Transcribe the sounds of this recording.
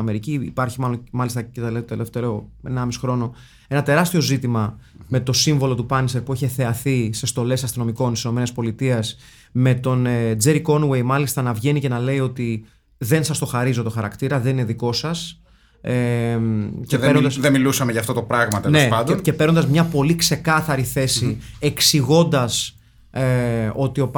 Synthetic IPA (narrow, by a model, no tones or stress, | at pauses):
ɐme̞ɾiciːpɐɾçimɐlo̞nmɐlist̪ɐcet̪elet̪eleft̪eoenɐmisi̥xɾo̞no̞ | enɐt̪e̞ɾɐst̪io̞zit̪imɐme̞t̪o̞siɱvo̞lo̞t̪upɐnseɾpueçeθe̞ɐθise̞st̪o̞le̞sɐst̪ino̞miko̞nt̪i̥sino̞me̞nispo̞lit̪iɐs | me̞t̪o̞ned͡zeɾiko̞nwe̞jmɐlist̪ɐnɐvʝe̞nice̞nɐle̞io̞t̪i | ðe̞nsɐst̪o̞xɐɾizo̞t̪o̞xɐɾɐ̰kt̪iɾɐðe̞nineðiko̞sɐs | e | ceeɾnod̪ɐsðemilusɐmeʝɐːft̪ot̪o̞pɾɐɣmɐt̪enlnespɐnd̪nce̞pe̞ɾo̞nd̪ɐzmɲɐpo̞likse̞kɐθɐɾiθe̞sie̞ksiɣo̞nd̪ɐs | eo̞t̪io̞p